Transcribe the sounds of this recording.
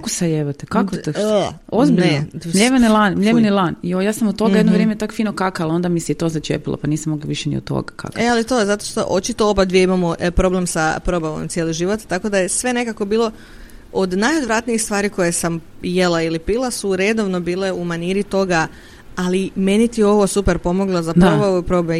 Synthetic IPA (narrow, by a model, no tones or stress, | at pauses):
kosajeʋat̪ekakot̪ozbiʎemʎeʋinilˠanmʎʲeʋinilˠaniojaːsamot̪t̪ːoajed̪noʋɾjeːmet̪akfiːnokakaalo̞nd̪amisɛit̪ozat͡ʃḛpilˠa̰paniːsamoɡlaʋiʃɛnḭo̰t̪ːo̰ɡaka̰kealit̪o̞ezat̪o̞ʃt̪o̞̰ʔo̞t͡ʃit̪oopad̪ʋije̞imamopɾo̞ble̞msapɾo̞baʋo̰mt̪sjeːliʒiʋo̞t̪ːako̞d̪aje̞sʋe̞ne̞kako̞biːlˠo̞ | od̪najod̪ʋɾat̪niixst̪ʋaːɾiko̞jesam | je̞lˠailipilˠasuɾe̞d̪o̞ʋno̞biːle̞umaniɾit̪o̞ɡa | alime̞nit̪io̞ʋo̞supeɾpo̞mo̞ɡlozapɾobaʋuipɾobe